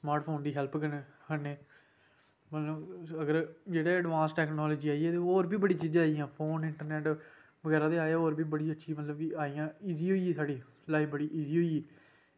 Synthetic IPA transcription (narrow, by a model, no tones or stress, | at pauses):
smaːɾʈpʰoːnd̪iːɦɛlpkənːkəneː | məllõːəɡəɾd͡ʒeːɽeːəɖʋãːnsʈɛːknɔːloːd͡ʒiːaːiːɛːt̪eːoːɾbʱiːbəɽiːt͡ʃiːd͡ʒãaːijãːpʰoːnɪɳʈəɾnɛːʈ | ʋəɡɛːɾaːt̪eːaːaːoːɾbʱiːbəɽiːətːʃʰiːmət̪ləbkɪaːijãːiːziːɦoːieːsaːɽiː | laːiːbəɽiːʔiːziːɦoːiː